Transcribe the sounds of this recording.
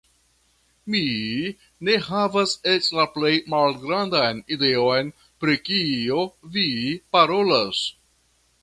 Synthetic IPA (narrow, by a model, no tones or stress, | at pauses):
mi | ne̞ɦavaset͡ʃlaple̞jmalɡɾandajnide̞o̞jn | pɾikiovipaɾo̞las